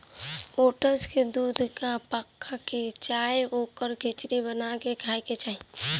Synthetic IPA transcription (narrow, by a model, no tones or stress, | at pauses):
oːʈəsked̪uːd̪ʱkapəkʰːaket͡ʃaːjoːkəɾɡʱɪt͡ʃɾibənakekʰaːiket͡ʃaːi